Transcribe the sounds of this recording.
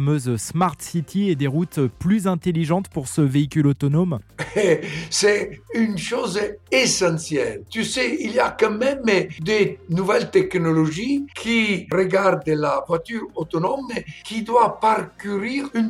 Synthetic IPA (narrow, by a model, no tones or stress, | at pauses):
møzsmaʁt̪sit̪ʰied̪eʁut̪plyzɛ̃t̪eliʒɑ̃t̪puʁsəveikʲylot̪ɔnɔmɛsɛynʃozesɑ̃sjɛlt̪ysɛiliakãmɛmd̪enuvɛlt̪ɛknɔlɔʒikʰirəɡaʁd̪lavwat̪yʁot̪ɔnɔmekʰid̪wapaʁkyʁiʁyn